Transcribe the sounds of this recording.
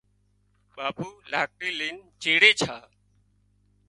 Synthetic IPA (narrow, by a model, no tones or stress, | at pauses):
ɓaːpuːlaːk̚ɾiːliːnd͡ʒeːɽeːt͡ʃʰaː